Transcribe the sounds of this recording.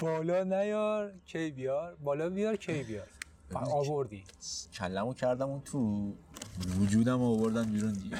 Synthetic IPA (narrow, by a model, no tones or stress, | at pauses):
b̥ɒːlɒːnæjɒɾcʰejbijɒɾbɒːlɒːbijɒːɾcʰejbijɒɾ | ɒːvoɾd̪iː | cʰælːæmucʰæɾd̪æmunt̪ʰu | vud͡ʒuːd̪æmɒːvoɾd̪ænbiːɾund̪ie